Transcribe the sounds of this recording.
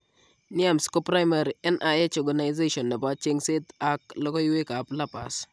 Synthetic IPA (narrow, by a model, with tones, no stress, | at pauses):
ni˦a˨msko˦pɾa˦jma˨ɾi˨ɛ˦nʔa˨ɛ˦t͡ʃɔ˨ɡa˨na˨jze˦ʃɔ˨nːɛ˨ba˦t͡ʃe˦ŋse˦ta˨k̚lɔ˦ɡɔ˦jwe˦ka˨pla˦pa̰˨s